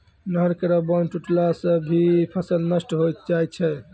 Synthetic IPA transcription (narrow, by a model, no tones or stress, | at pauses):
nəɦɾkəɾəbənʈuʈlasə̃bʱipʰəsəlnəsʈɦojt̪d͡ʒajt͡ʃʰɛ